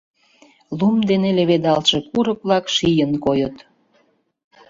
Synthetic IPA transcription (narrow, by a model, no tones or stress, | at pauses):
lumd̪eneleβed̪ɑlʃekuɾək̚βlɑkʃijənkojət̪